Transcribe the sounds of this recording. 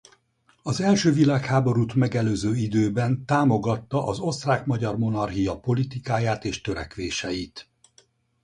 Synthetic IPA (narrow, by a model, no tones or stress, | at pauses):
ɒzɛlʃøːvilaːkhaːbo̞ɾut̪mɛɡɛløːzøːid̪øːbɛnt̪aːmo̞ɡɒt̪ːɒʔɒzo̞st̪raːkmɒɟɒrmo̞nɒrɦijɒpo̞lit̪ikaːjaːt̪eːʃt̪øɾɛ̰kʋeːʃɛjit̪